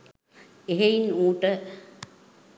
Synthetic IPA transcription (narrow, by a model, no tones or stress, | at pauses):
eɦeinuːʈə